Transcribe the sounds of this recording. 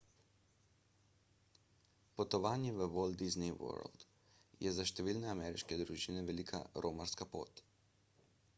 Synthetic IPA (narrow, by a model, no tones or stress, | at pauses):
pɔt̪ɔʋaːnjɛʋəʋold̪izniwɔ̰ɾ̰ld̪̥ | jɛzaʃt̪ɛʋiːlnɛamɛɾiʃkɛd̪ɾuʒinɛʋɛlikʰa̰ɾʔoːmaɾskapo̰ːt̪